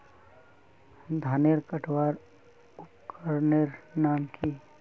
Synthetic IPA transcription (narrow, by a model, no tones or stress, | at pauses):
d̪ʱaːneɾkəʈʰwaːɾ | ʊpkəɾneɾnaːmkʰi